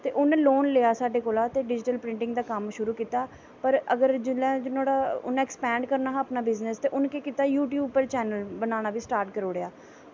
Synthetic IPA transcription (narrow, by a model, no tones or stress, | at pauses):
t̪eːʔʊnloːnleːaːsaːɖeːkoːlaːt̪eːɖɪd͡ʒɪʈəlpɾɪ̃ɳʈɪ̃ŋɡd̪aːkəmʃʊɾuːkiːt̪aː | pəɾəɡəɾd͡ʒɪlɛ̃ːd͡ʒɪnoːɽaːʊ̰nɛːkspɛ̃ːɳɖkəɾnaːɦəpnaːbɪznəst̪eːʔʊnkeːkiːt̪aːjuːʈjuːbpəɾt͡ʃɛːnəlbənaːɽ̃aːʋiːsʈaːɾʈkəɾoːɽeaː